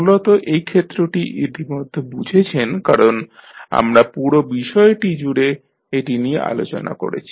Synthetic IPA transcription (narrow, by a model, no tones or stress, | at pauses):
mulot̪oʔejkʰet̪ːɾoʈiʔid̪ʱimod̪ʱːebud͡ʑʱet͡ɕʰenkaɾona̰mɾapuɾobiʃɔeʈid͡ʑuɽe | eʈinijeʔa̰lo̰t͡ɕo̰na̰ko̰ɾḛt͡ɕʰi̥